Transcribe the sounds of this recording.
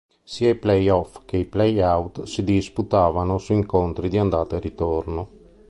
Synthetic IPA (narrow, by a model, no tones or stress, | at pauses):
siːaiplɛjɔfk̟eiplɛjawt̪sid̪isput̪aːvanosuiŋkont̪ɾid̪iand̪aːt̪arit̪orno